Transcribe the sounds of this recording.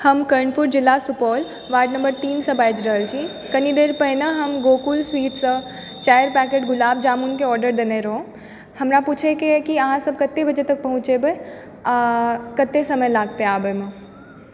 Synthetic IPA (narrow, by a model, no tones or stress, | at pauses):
hɐmkəɾɳɖpʊɾd͡ʒɪlːasʊpɔːl | ʋaːɖnɐ̃mbəɾt̪iːnsɐ̃baːjd͡ʒɾɐɦəld͡ʒiː | kɐnid̪eːɾpəɦɪnəɦɐmɡoːkulswiːʈsɐ | t͡ʃaːjəɾpɛːkeːʈɡʊlaːb̚d͡ʒaːmʊnkeɔːɾɖəɾd̪eneɾɐɦõ | hɐmɾapuːt͡ʃʰekekiɐɦãsɐb̚kɐt̪ːebɐd͡ʒet̪ɐk̚pɐɦʊ̃t͡ʃebe | kɐt̪ːesɐməjlaːɡ̚t̪eɦaːbəmẽ